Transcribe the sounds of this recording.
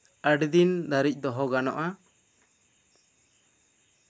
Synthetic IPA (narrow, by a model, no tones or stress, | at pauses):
əɖd̪ind̪aɾic̚ˀd̪ɔɦɔɡanɔ̰ʔa